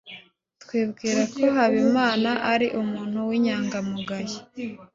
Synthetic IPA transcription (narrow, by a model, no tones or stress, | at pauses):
tkwiːbɡiːɾakʰo̞ɦaβimaːnaʔaɾiʔumuːn̥huwiɲaːŋɡamuɡaje